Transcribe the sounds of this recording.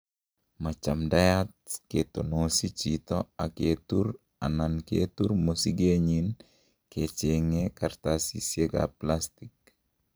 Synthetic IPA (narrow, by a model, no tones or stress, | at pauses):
mat͡ʃamdajat̚ket̪onosit͡ʃit̪ɔaket̪ur | anankḛt̪urmosiɡeɲin | ket͡ʃeŋekart̪asḭsjeɡa̰plast̪ik̚